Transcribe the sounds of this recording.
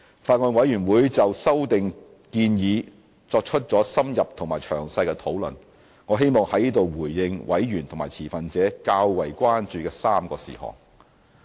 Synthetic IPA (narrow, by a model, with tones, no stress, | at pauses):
faː˧t̚ŋɔː˧nwɐ˨˥jyː˨˩wuː˨˥jt͡sɐ˨wsɐ˥wt̪ɪ˨ŋ | kiː˧njiː˨˧ | t͡sɔː˧k̚t͡ʃʰɵ˥t̚t͡sɔː˨˥sɐ˥mjɐ˨p̚t̪ʰʊ˨˩ŋmaː˨˩jt͡ʃʰœː˨˩ŋsɐ˧jkɛ˧t̪ʰo˨˥wlɵ̰˨˩n | ŋɔː˨˧˥ɦe˥jmɔː˨ŋhɐ˨˥jniː˥t̪o˨wwuː˨˩jːɪ˧ŋwʔɐ̰˨˥jɥyː˨˩nt̪ʰo˨˩maː˨˩jt͡sʰiː˨˩fɐ˨nt͡sɛː˨˥kaː˧wwɐ˨˩jkʷaː˥nt͡ʃyː˨kɛː˧saː˥mkɔː˧sḭː˨˩hɔ̰ː˨˩ŋ